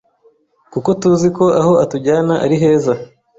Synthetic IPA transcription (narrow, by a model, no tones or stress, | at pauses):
kuko̞tuziko̞ʔaho̞atuɟaːnaʔaɾiɦe̞ːza